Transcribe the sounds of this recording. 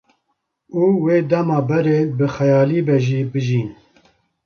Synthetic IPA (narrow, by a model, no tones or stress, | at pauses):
uːweːd̪ɛmɑːbɛɾeːbɨxɛjɑːliːbɛʒiːbɨʒiːn